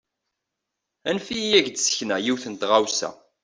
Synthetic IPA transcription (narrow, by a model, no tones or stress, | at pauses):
ænfijæʝd̪sə̥çnæjiwθənt̪ʁawsæ̰